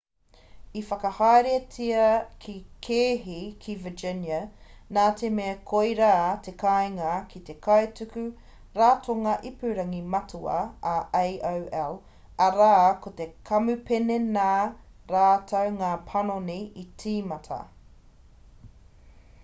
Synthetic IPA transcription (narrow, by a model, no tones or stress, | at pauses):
ifɐkɐhaɾiɐt͡sʰiɐkʰikʰeːɦikʰivəd͡ʒɪnjɐnaːtʰemeɐkʰojɾaːt̪ʰe̞kajŋɐkʰit̪e̞kʰɐetʉkʉ | ɾaːtʰoŋɐʔipʉɾɐŋimɐtʰuɐ̰ːʔejʔowɛl | ɐɾaːkot̪ekʰɐmʉpenenaː | ɾaːtʰɐwŋaːpʰɐnoniʔit͡siːmɐtʰɐ̰